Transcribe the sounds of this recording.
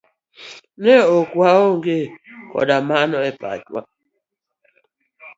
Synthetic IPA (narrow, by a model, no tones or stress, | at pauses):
neokwaoŋɡekɔ̰damanɔepa̰t͡ʃwa̰